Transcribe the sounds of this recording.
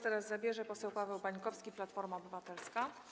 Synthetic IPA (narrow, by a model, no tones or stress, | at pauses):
t̪ɛɾazzabʲjɛʐɛpɔsɛwpavɛwbaɲkɔfskʲiplat̪fɔɾmaɔbɘvat̪ɛlska